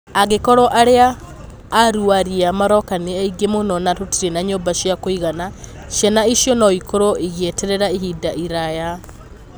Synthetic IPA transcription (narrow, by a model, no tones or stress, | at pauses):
aɣekɔɾɔʔaɾeaː | ɾuaɾiamaɾɔkaneaiɡemonɔnatotiɾenaɲoːbaʃjakoiɣana | ʃjanaiʃjɔnɔikoɾɔiɣiɛtɛɾɛɾaiɦidaʔiɾaja